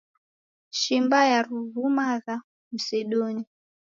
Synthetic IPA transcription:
ʃimbajaruvumaða | m̩sɛɗoni

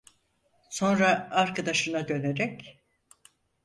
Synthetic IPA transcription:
so̞nɾaːɾkʰad̪aʃɯnaɟø̞leɾɛc

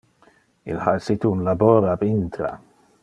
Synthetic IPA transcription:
ɪ̰lhaɾsit̪uunlaboːɾabɪnt̪ɾa̰

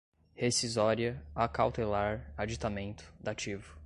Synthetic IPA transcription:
hesizɔɾiɐakawt̪elaɾad͡ʒit̪amẽnt̪ʊ̥d̪at͡ʃivʊ

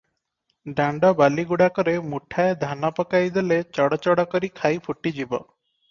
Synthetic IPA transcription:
ɖaɳɖɔbaliɡuɽakɔɾemuʈʰaed̪ʱanɔpɔkajd̪elet͡ʃɔɽɔt͡ʃɔɽɔkɔɾikʰajpʰuʈːid͡ʒibɔ

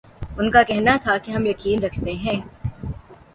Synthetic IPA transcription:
ʊnkakɛɦnat̪ʰakiɦɐmjɐkiːnɾɐkʰt̪eɦɛ̃ː

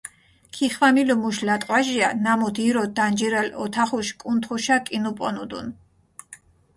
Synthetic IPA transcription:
kʰiχwamilɔmuʃlat̪ʼwaʒianamɔd̪ʰiɾɔd̪and͡ʒiɾɛlɔ̰t̪ʰaχuʃkʼunt̪ʰχuʃakʼinupʼɔnud̪ṵn

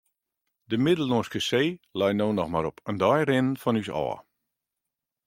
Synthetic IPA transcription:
dəmɪdəl̩ˠnoskəseːlɛjnoːnɔxmaɾɔpʰəndɔjrɪnənfɔnysɔ̰ː

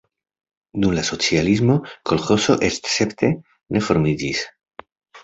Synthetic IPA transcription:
d̪umlaso̞t͡sializmo̞kolχo̞so̞ʔest̪se̞pt̪ʰe̞ | ne̞fo̞ɾmid͡ʒis

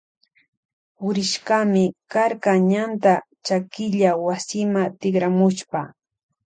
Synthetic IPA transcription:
ʊɾɪʃkamɪkaɾkaɲant̪a | t͡ʃakɪʎawasɪmat̪ɪkɾamʊʃpa

